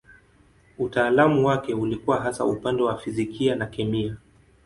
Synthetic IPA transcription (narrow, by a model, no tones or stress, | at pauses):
utaːlamuwakɛulikuwaɦasa̰upandɛwafizikianakɛmia